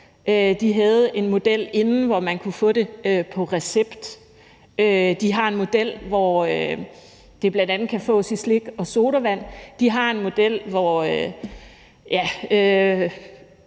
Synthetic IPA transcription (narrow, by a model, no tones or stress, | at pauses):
ød̥iɦæð̞̩ˠe̝nmo̝d̥el̰e̝nn̩ʋɒmænkʰufɔ̰̽ːd̥e̝øpʰɒ̽ʁɛseb̥d̥ | ød̥iɦɑ̈e̝nmo̝d̥el̰ʋɒø | d̥e̝b̥lænd̥ænð̩ˠkʰæfɔ̰̽ːsisle̝ɡ̥ɒ̽so̝ːɾ̥ɐʋæn̰d̥iɦɑ̈e̝nmo̝d̥el̰ʋɒø | jæø